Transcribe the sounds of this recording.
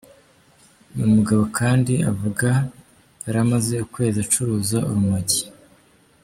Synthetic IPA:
mumuɡaβo̞kʰaːndia̰vuɡaː | ɾamaze̞ukwe̞ːziat͡ʃuɾuːzaʔuɾumaɟi̥

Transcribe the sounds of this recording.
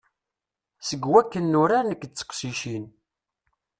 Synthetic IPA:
səɡwækːənːʊɾaɾnək̪̚ːt͡sːə̥qsiʃin

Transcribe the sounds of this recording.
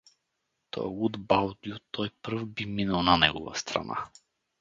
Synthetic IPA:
t̪ɔ̰jɛud̪balˠd̪iut̪ʰɔjpr̩vbiminalˠnanɛɡɔva̰st̪ɾa̰na̰

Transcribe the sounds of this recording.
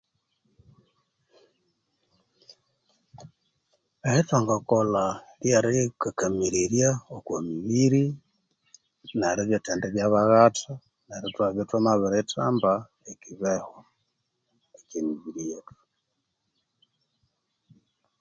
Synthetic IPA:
ehetwaŋɡakolaljaɾekakamiɾeɾjaokwamiβiɾi | naɾeβjotendeβjaβaɣatʰa | naɾetwaβjotwamaβeɾetʰamba | ekiβeho | ekemiβiɾijetu̥

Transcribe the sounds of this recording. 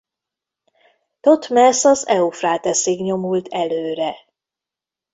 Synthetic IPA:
t̪ot̪mɛsɒzɛufraːt̪ɛseːɡɲo̞mult̪ʰɛløːɾɛ

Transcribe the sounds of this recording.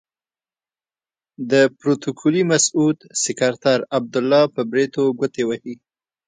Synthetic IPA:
d̪əpɾot̪okʰulimasud̪sɪkaɾt̪aɾab̚d̪ʊlːɑpəbɾet̪oɡət̪ewahi

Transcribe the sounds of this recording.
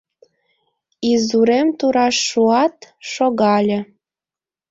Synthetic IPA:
izuɾemt̪uɾɑʃːuɑt̪ʃoɣɑlʲĕ

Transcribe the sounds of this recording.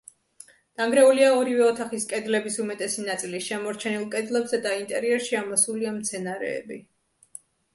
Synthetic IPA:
d̪̥aŋɡɾɛuliaɔɾivɛɔt̪ʰaχiskʼɛd̪lɛbisumɛt̪ʼɛsinat̪sʼilisʃɛmɔɾt͡ʃʰɛnilˠkʼɛd̪lɛbzɛd̪aint̪ʼɛɾiɛɾʃiamɔsuliamt̪sʰɛnaɾɛ̰ːbi

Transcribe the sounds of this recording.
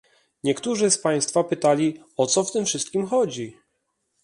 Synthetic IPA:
ɲɛkt̪uʐɘspaj̃st̪fapɘt̪alʲi | ɔt̪sɔft̪ɘmfʂɘst̪̚kʲimxɔd͡ʑi

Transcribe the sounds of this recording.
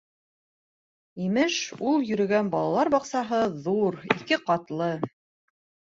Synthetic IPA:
imɘʃulˠjɵ̆ɾɵ̆ɡænbɑlˠɑlˠɑɾbɑqsɑɦɤðuɾḭkɘqɑt̪lˠɤ

